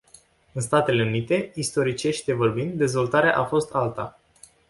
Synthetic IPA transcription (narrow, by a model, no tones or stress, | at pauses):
ɨnst̪at̪e̞le̞unit̪e̞ist̪o̞ɾit͡ʃe̞ʃʲt̪e̞vo̞rbind̪d̪e̞zvo̞lt̪aɾea̰ʔafo̞st̪ʰalt̪a